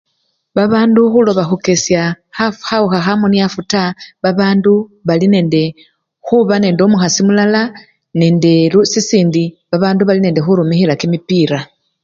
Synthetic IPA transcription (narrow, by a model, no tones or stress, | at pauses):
βaβaːnduxulo̞βaxuke̞sja | axauxaxamoniafutaβaβaːnduβaline̞ːnde̞ | xuβane̞ːndo̞muxasimulala | ne̞ːnde̞lusisiːndi | βaβaːnduβaline̞ːndexuɾumixilakimipiːɾa